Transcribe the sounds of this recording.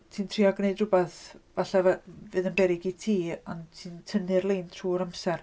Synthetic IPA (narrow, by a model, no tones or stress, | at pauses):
tʰiːntʰriɔɡneɨdrʊbɛθvaɬavɛvɨːðənbɛɾɪɡitʰiːɔntʰiːntʰənɨrlˠentʰruːɔɾamsɛr